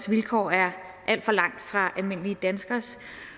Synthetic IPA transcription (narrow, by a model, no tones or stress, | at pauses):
sʋilkʰɒ̰ːæɐ | ʔæl̰d̥fɒ̽lɑ̈ŋ̰d̥fʁɑ̈ʔælme̝n̰əlid̥ænsɡ̥ɐs